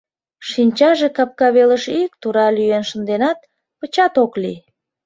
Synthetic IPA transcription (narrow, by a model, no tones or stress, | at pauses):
ʃinʲt͡ɕɑʒekɑp̚kɑβeləʃik̚t̪uɾɑlyjenʃə̆nd̪enɑt̪̚ | pət͡ɕɑt̪oklḭ